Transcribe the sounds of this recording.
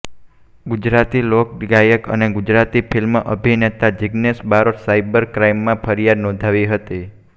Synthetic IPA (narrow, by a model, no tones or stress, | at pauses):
ɡud͡ʒɾat̪ilok̚ɖɡajəkə̰neɡud͡ʒɾat̪ipʰilməʔəbʱinet̪ad͡ʒiɡnesbaɾoʈsaibəɾkɾajmːãpʰəɾijad̪nɔ̃d̪ʱaʋiɦət̪i